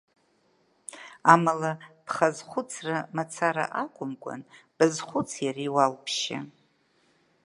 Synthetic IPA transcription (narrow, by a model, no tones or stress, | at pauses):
amalab̥χazχʷʊt͡sʰramat͡sʰaɾa̰ʔakʷʼʊmkʷʼa̰nb̥ɨzχʷʊt͡sʰjariwalpʰʃɪ̰